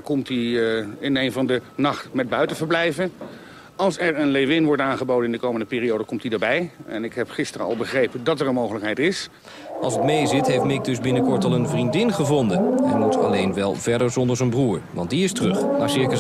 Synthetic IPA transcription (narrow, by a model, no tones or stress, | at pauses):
kɔmtiɪnejnvɑndənɑχtmɛd̚bœɥtəvəɹblɛjvən | ɑlˠsɛɹənlejʋɪnʋɔɹtaːnχəbowdənɪndəkowməndəpɪːriowdəkɔmtidaːɹbɛjɛnɪkɦɛpχɪstərəɑ̰lˠbəχrejpədɑtɛɹənmowχələkɦɛjtɪs | ʔɑ̰lˠsətmejzɪtɦejftmɪk̚dɵzbɪnəkɔɹtɑlˠənvrindɪnχəvɔndənɛnmutɑ̰lejnʋɛlˠvɛɹdəɹzɔndəɹzənbruːɹʋɑ̰nt̚diɪstərɵχnaːɹsɪɹkə